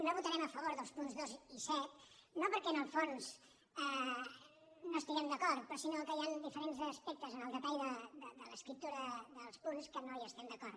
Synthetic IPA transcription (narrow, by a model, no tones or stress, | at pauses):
noβut̪əɾɛməfəβ̞oɾðəlˠspunzðozisɛt̪nopəɾkɛnəlˠfons | ɛ | noəst̪iɣɛmd̪əkɔɾt̪̚pɾɔsinokəjand̪ifəɾenzəspɛk̚t̪əzənəlˠd̪ətajðəd̪əd̪ələskɾip̚t̪uɾəðəlˠspunskənoiəst̪ɛmd̪əkɔɾ